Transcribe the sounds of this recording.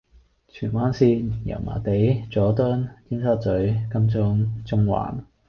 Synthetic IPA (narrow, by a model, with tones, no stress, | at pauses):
t͡ʃʰyː˨˩nwaː˥nsiː˧njɐ̰˨˩wma̰ː˨˩t̪e˨˥jt͡sɔː˨˥t̪ɔ˥ntiː˥nsɐ˥t̚t͡sɵ˨˥ɥkɐ˥mt͡sʊ˥ŋt͡sʊ˥ŋwa̰ː˨˩n